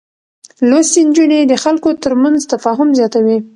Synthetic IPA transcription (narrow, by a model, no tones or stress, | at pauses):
lost̪ind͡ʒuned̪əxalkot̪əɾmanzt̪afɑɦʊmzjɑt̪awi